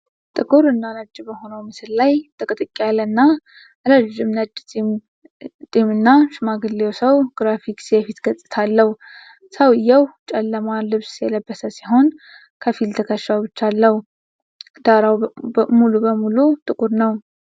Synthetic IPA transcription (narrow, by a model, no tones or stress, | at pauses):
t̪ʼɨkʼuɾɨnːanəd͡ʒːɪbəho̞nəwmɨsɨllajt̪ʰʼəkʼɨt̪ʼɨkʼːialənːa | ləd͡ʒɪmnəd͡ʒ̪ʼm | t̪ʼimɨnːaʃɨmaɡɨlːewsəwɡ̥ɾafikʼsjɛfit̪ɡət͡sʼːɨ̥t̪ʰalːəh | səwɨjːɛwt͡ʃʼɛlːəmalɨβsjɛləbːəsəsiɦo̞n | kʰəfilt̪ʰəkʰəʃːawbɨt͡ʃːalːəhu | d̪̥aɾawmulubəmulut̪ʼɨkʼuɾnəw